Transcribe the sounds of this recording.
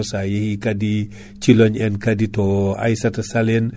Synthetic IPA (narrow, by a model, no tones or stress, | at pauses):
sajehikadi | t͡ʃilɔɲɛnkaditɔa̰jsatɐsalen